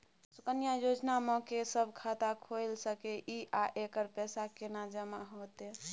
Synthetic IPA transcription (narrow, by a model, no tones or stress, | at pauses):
sʊkənijajod͡ʒnamɔ̃kesəbʱkʰat̪akʰojlsəkeʔiʔaʔekəɾpɛsakenad͡ʒəmaɦot̪e